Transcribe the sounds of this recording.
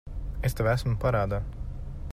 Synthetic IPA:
est̪ɛvæsmpaɾaːd̪a

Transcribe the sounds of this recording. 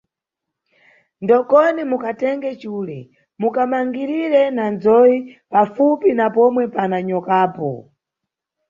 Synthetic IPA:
ndɔkɔnimukatɛŋɡɛt͡ʃuːlɛ | mukamaŋɡiɾiɾɛnand͡zɔipafupinapɔmwɛpanaɲɔkaːpɔ̰

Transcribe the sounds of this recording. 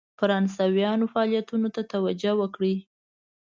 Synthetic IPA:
faɾɑnsɑwijɑnofaɑlijat̪unot̪at̪awad͡ʒawəkɽi

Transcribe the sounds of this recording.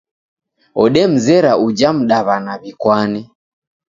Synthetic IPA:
ɔɗɛm̩zɛɾaud͡ʒam̩ɗaβanaβikwanɛ

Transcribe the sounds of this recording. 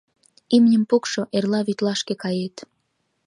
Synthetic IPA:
imnʲəmpukʃoʔerlɑβyt̪lɑʃkekɑjet̪

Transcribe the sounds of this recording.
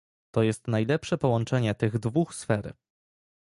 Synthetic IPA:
t̪ɔjɛst̪najlɛpʂɛpɔwɔnt͡ʂɛɲɛt̪ɘɣd̪vuxsfɛɾ

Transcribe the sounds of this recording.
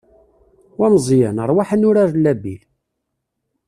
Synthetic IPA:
wæmzˤjænəɾˤwaħənʊɾaɾlːæbḭl

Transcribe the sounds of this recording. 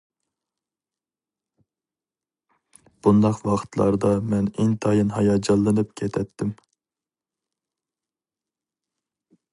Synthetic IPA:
b̥und̪ɑqwɑχt̪ʰlˠɑ̰ɾd̪ɑmɛnɪŋt̪ʰɑjɨnɦɑjɑd͡ʒɑlˠːɨnɨp̚kʲʰɛt̪ʰɛt̪ʰːɪm

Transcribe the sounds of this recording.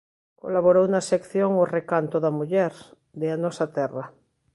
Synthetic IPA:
ko̰laβoɾownasekθjoŋorekant̪oðamuʎɛɾ | ðeanɔsat̪ɛra

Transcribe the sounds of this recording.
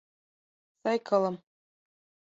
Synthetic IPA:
sɑjkɤ̆lˠɤ̆m

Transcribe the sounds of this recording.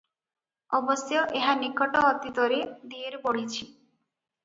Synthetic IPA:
ɔbɔsjɔʔeɦanikɔʈɔːt̪it̪ɔɾed̪ieɾboɽ̤it͡ʃʰi

